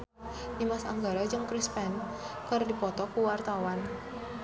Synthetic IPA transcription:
ʔimasa̰ŋɡaɾad͡ʒɨŋkɾispɛn | kərdipɔt̪ɔkuwart̪awan

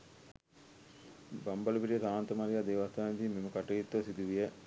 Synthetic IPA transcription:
bɐmbɐlupiʈijɐt̪aːnt̪ɐmaɾijaːd̪eːʋast̪aːnd̪iːmimukɐʈɐjit̪ːosid̪uʋijɐ

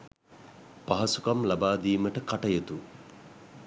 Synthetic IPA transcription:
paɦɐsukamlabaːd̪iːməʈəkaʈɐjət̪u

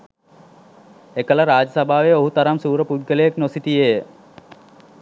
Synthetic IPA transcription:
ekələɾaːd͡ʒəsəbʱaːʋeoɦut̪ɐɾamsuːɾəpud̪̚ɡəlejeknosit̪ijejə

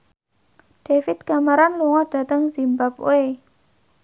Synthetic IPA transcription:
ɖ̥efɪt̪̚kamaɾanluŋɔɖ̥a̤t̪əŋzimbap̚o̰e

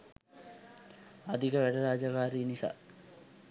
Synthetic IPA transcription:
ad̪ʱikəʋæɖəɾaːd͡ʒakaːɾiːnisa̰ː

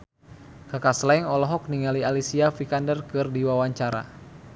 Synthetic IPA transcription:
kakaslaiŋɔlɔɦɔk̚niŋalialisiafikandərkɨrdiwawaɲt͡ʃaɾa̰

